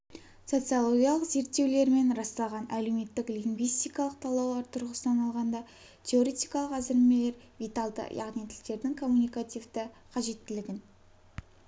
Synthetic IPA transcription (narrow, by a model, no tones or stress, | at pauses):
so̞t̪sɨjalˠo̞ɡʲijalˠəqze̞ɾt̪ːe̞wle̞ɾme̞nɾɑst̪ɑlˠʁɑnʔælewme̞t̪ːɪkliŋɡvijst̪ijkɑlˠəq̚t̪ʰɑlˠɑwlˠɑɾt̪ʰʊɾʁəsənɑnɑlˠʁɑnd̪ɑ | t̪ʰʲe̞o̞ɾe̞t̪ijkɑlˠəqæzɪɾmele̞ɾ | vijt̪ɑlˠd̪ə̰jɑ̰ʁnit̪ʰɪlt̪e̞ɾd̪ɪŋkʰo̞mːunijkat̪ivd̪ə | qʰɑʒe̞t̪ːɪlɪɡʲɪn